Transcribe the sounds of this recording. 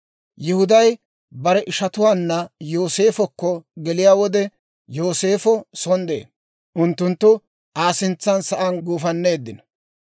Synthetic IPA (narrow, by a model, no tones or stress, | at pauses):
jɪhʊd̪ɐj | bɐɾɛʔɪʃɐt̪ʊwaːnːɐjoːse̞ːfɔkːɔɡɛlɪjaːwɔd̪ɛ | jo̞ːse̞ːfɔsɔnd̪ḛː | ʔʊnt̪ːʊnt̪ːʊ | ʔaːsɪnt͡sːɐnsɐʔɐnɡuːfɐnːe̞ːd̪ːɪnɐ̥